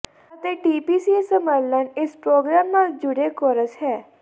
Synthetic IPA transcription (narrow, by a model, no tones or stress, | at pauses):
ət̪eːʈiːpiːsiːesəməlːənɪspɾoːɡɾaːmːãd͡ʒʊɽeːkɔɾəshɛː